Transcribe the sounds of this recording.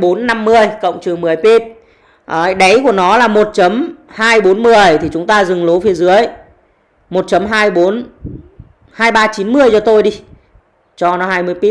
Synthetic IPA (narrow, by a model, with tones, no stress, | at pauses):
ɓo˨˦nːa˧mːɨ˧əjkə̰˧˨wŋ͡mt͡ɕɨ˨˩əŋmɨ˨˩əjpi˦˥p̚ | ʔɗə˨˦jku˧˩ənɔ˨˦laː˨˩mo˨˩t̚t͡ɕə˨˦mhaː˧jɓo˨˦nmɨ˨˩əjt̪ʰi˨˩t͡ɕʊ˨˦ŋ͡mt̪aː˧zɨ˨˩ŋlo˨˦fi˨˦əzɨ˨˦əj | mo˨˩t̚t͡ɕə˨˦mɦaː˧jɓo˨˦n | haː˧jɓaː˧t͡ɕi˨˦nmɨ˧əjt͡ɕɔ˧t̪o˧jɗi˧ | t͡ɕɔ˧nɔ˨˦ɦaː˧jmɨ˧əjpi˦˥